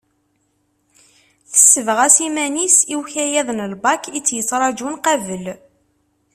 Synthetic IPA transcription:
θə̥sːəvʁæsimænisiwçæjæðnəlbɑkit͡sːjət͡sˤːɾˤɑd͡ʒunqævəl

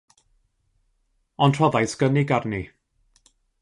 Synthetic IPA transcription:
ɔntʰr̥ɔðajsɡ̥əniɡarni

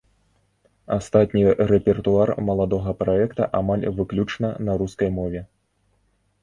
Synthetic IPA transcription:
ast̪at̪ʲnʲiɾɛpʲɛrt̪uarmɐlˠad̪ɔɣɐpɾaɛkt̪ɐ̰ʔamalʲvɨklʲut͡ʂnɐnɐɾuskɐjmɔvʲɛ

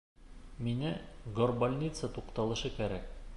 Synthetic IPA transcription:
minɘɡorbolʲnʲit̪sət̪uqt̪ɑlˠɤ̆ʃɤkæɾæk̚

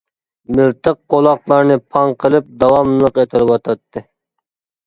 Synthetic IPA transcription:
mɪlt̪ʰɨqqːolˠɑqlˠɑɾnɨpʰɑŋqʰəlˠɨp̚d̪ɑwɑmlˠəqet̪ʰɪɾɪwɑt̪ʰɑt̪ʰːɨ

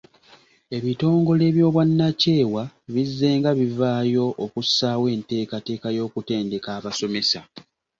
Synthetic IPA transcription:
e̞βito̞ːŋɡo̞le̞ːβjo̞ːβwanːace̞ːwaβizːe̞ːŋɡaβivaːjo̞ʔːkusːaːwe̞ːnte̞ːkate̞ːkajo̞ːkute̞ːnde̞kaːβaso̞me̞sa

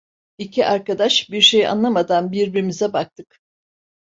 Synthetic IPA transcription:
icʰiʔaɾkad̪aʃbiɾʃe̞jʔa̰nlˠamad̪anbiɾbiɾimizɛbak̚t̪ʰɯk

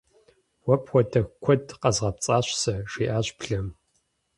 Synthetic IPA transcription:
wɔpxʷɔtʰɐxkʷʰɔdqɐzʁɐpt͡sʼaːɕʷsɐʂiːʔaːɕpɬɐm

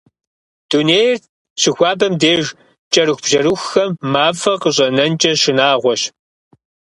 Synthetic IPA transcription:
d̥uneːjrt | ɕɪxʷɑːbɐmdeːʒ | t͡ʃʼɐɾɨxʷb̥ʒɐɾɨxːɐmːaːfɐqəɕʼɐnɐnt͡ʃʼɐʃɪnaːʁʷɔɕ

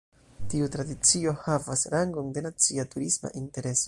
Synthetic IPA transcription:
tiutɾadit͡sio̞havasɾaŋɡonde̞nat͡siatuɾisma̰ʔinte̞ɾe̞so

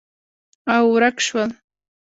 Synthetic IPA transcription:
awɾakʃwal

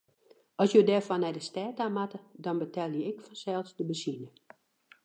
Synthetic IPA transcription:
ɔsjodɛfɔnɛjdəstɛːtamatədɔnbətɛlˠjəɪkfɔnsɛlˠsdəbəsinə

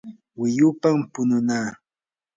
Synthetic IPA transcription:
wɪjʊpampʊnʊnaː

